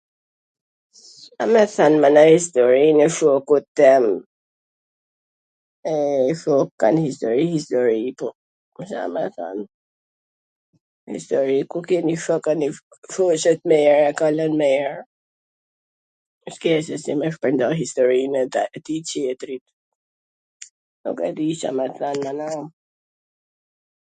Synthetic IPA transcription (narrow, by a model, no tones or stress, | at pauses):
amɛθanmanahist̪ɔɹinɛfɔkut̪ːɛm | ɛfɔka̰nhist̪ɔɾihist̪ɔɾipɔ | msa̰mɛθa̰n | hḭst̪ɔɾikukɛnifəkənifɔʃət̪̚mɛɛɹɛkalənmɛjɛɹ | skɛsɛsimɛfpənd̪ɔɦist̪ɔɾint̪it͡ɕɛt̪ɾit̪̚ | nɔ̰kɛ̰d̪iʃa̰mɛθanmanaw